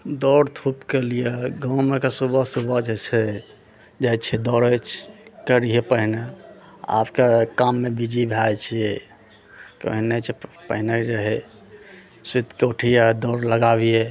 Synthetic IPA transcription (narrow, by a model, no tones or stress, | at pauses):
d̪ɔɾt̪ʰupkelijeɡãmekesubəsubəd͡ʒet͡ʃʰɛ | d͡ʒajt͡ʃʰɛd̪ɔɾət͡ʃʰkəɾiɦepəɦine | a̰pkekamːebid͡ʒibʱajt͡ʃʰije | kə̰ɦnet͡ʃʰɛpəɦined͡ʒeɦɛ | sit̪kəʈʰijad̪ɔɾləɡabije